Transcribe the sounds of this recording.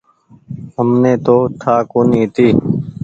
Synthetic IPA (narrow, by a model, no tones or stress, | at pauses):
ɦəmneːt̪oːt̪ʰaːkoːnĩːt̪iː